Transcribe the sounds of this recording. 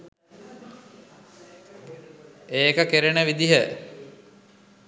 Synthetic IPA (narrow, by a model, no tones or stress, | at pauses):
eːkəkeɾenəʋid̪iɦə